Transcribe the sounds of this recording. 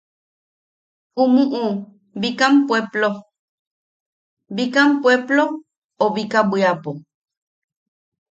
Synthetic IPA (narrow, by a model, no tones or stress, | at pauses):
umũʔu | bikampweplo | bikampweplo | oβikabiapo